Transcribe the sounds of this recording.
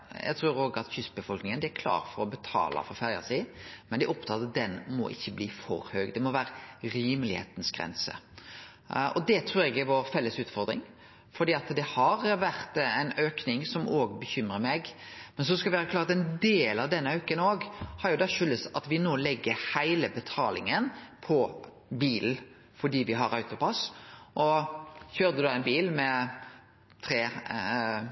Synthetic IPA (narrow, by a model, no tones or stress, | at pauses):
jæ̰ɡt̪ʰɾuːɾoːɡɑt̪çʏsbəfɔlknɪŋənd̪ɛæɾkʰlɑ̰ːɾfɔɾɔbət̪ʰɑ̰ːlə̰fɔɾfæɾjɑ̰siːmɛnd̪ɛʔɔpt̪ʰɑːt̪d̪ɛnmɔ̰ʔɪ̰çːəbliːfɔ̰ɾhœːɡd̪ɛmɔʋæːɾəɾiːməlɪhḛːt̪n̩sɡ̥ɾɛ̰nsə̰ | ʔɔd̪ɛt̪ʰɾʉːɾɛɡɪʋoɾfɛlːəsʉːt̪fɔɾd̪ɾɪ̰ŋ | fɔɾd̪iːɑt̪d̪ɛhɑɾʋæɾt̪æɪnøːknɪŋsɔmoːɡbəçʏmɾəmɛɡ | mɛns̬ɔskɑlʋɪʋæːɾəklɑːɾɑt̪ɛnd̪eːlɑʋd̪ɛnːəøːkənoːɡhɑɾjʊd̪ɑʃʏlːəsɑt̪ʋɪnoːlɛɡːəɾhæɪləbət̪ʰɑːlɪ̰ŋənpʰɔ | biːln̩ | fɔɖiːʋɪɦɑɾɑʉt̪ʊpʰɑsʔɔçøːɾd̪əd̪ɑːɛɪnbiːlmɛ | t̪ʰɾeː